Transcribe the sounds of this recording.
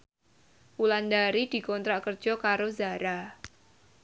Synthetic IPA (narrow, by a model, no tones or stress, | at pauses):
ulandaɾid̥i̤kɔnt̪ɾaʔkər̥d͡ʒ̥ɔkaɾozaɾa